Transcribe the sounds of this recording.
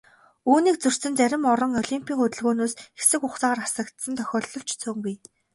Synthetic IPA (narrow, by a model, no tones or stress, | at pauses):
uːniːk̚t͡sɵr̥sɘ̆nt͡sæɾʲɪ̆mɔɾɞ̆ŋɔɮimpʰʲiːŋɵt̪ɵ̆ɮɣoːnoːsxe̥sɘ̆kʊχt͡saːʁaːɾasə̆kt̪sə̆nt̪ʰœxʲɔːɮːɞ̆w̥t͡ɕt͡sʰɵːŋɡuj